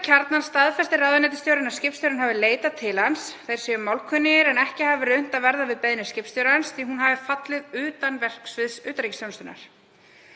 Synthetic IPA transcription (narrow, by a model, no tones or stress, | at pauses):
cʰaɾt̪nanst̪aðfɛst̪ɪraðʏnɛt̪ɪ̥st̪jowɾɪnaɾ̥scɪpst̪owɾɪnɦavɪleːjt̪at̪ʰɪlhansθejɾ̥sjɛʏmawlkʰʏnːɪɪɾɛnɛhcɪhavɪɾœɥn̥t̪avɛɾðavɪðpɛjðnʏscɪpst̪jowɾansθiɦunɦavɪfat̪lɪðʏːt̪anvɛr̥ksvɪðsʏːt̪aɾicɪsjownst̪ʏnːa̰ɾ̥